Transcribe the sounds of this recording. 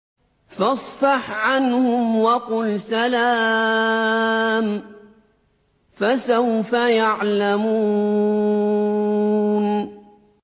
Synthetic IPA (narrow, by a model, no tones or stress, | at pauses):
fɑsˤfɑħʕanhʊmwɑqʊlsalaː | m | fasawfajaʕlamuː | n